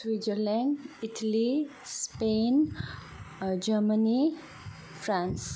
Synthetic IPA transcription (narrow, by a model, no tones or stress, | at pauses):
swid͡ʒəɾlɛ̃niʈʰəli | speːn | d͡ʒəməni | fɾãns